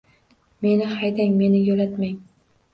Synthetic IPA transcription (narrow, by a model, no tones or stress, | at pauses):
me̞nɪhajd̪aŋme̞nɪjolat̪maŋ